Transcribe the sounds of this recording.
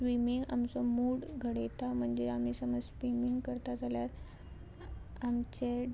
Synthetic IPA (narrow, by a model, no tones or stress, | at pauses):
ʋimiŋɡa̰mt͡sɔmuːɽɡʱəɽet̪am̤əɳd͡zeam̤iːsəməd͡zsʋimiŋɡkəɾt̪ad͡zaljaɾ | amt͡ɕe